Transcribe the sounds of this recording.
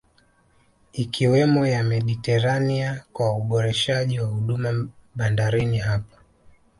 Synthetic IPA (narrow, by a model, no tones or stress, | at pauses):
ikʰiwɛmɔjamɛɗitɛɾaniakwauɓɔɾɛʃaʄiwahuɗumaɓandaɾiniɦapḁ